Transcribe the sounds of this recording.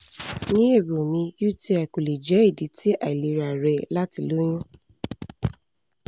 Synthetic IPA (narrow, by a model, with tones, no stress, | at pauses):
nĩ˨˦e˦˨bɾo˨mĩ˧ju˦˨ti˦ɛ˨ko˨le˨d͡ʒɛ˨˦e˦˨di˨˦tʰi˦ʔa˨i˨li˨˦ɾa˨ɾɛ˧la˦ti˧lo˨˦j̃ũ˦